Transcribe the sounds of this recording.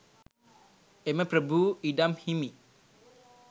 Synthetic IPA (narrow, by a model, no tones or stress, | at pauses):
emapɾəbuidamhimi